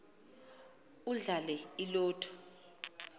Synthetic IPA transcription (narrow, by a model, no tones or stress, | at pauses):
uɮalɛilɔːtʰɔ̥